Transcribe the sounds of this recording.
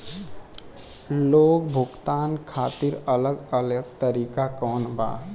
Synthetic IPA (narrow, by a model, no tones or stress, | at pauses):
loːɡbʱʊɡt̪aːnkʰaːt̪iɾələɡələɡt̪əɾiːkakɔːnba̰ː